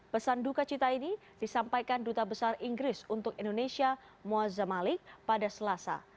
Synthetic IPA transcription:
pəsandukat͡ʃit̪aini | d̥isampajkandut̪abəsariŋɡɾɪsunt̪ʊkindonesia | moazamalɪk̚padasəlasa̰

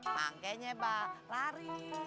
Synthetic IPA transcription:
ma̰ŋkɛɲɛbalaɾi

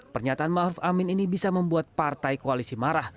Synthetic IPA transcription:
pərɲat̪aanmahɾufamɪninibisaməmbuat̪̚part̪ajkoalisimaɾah

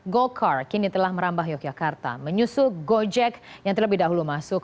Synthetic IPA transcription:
ɡolkʰarkinit̪əlahməɾambaɦjɔk̚d͡ʒakart̪a̰məɲusʊɡod͡ʒɛkjaŋt̪ərləbɪɦdaɦulumasʊk

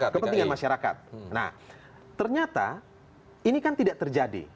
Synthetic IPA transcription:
kəpəniŋanmaʃaɾaka̰t̪̚na̰h | t̪ərɲat̪a̰ | inikant̪idaʔt̪ərd͡ʒadḭ

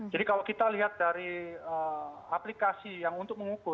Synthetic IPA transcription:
d͡ʒadikalokit̪aliɦat̪̚d̥aɾiəaplikasijaŋunt̪ʊk̚məŋukʊ

